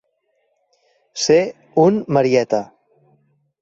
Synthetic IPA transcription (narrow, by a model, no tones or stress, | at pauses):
se | unməɾiɛt̪ə